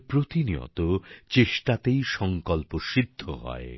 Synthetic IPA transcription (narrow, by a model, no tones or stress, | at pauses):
pɾot̪inijɔ̰t̪ot͡ɕesʈat̪ejʃɔŋkɔlpoʃid̪ʱːoɦɔ̰e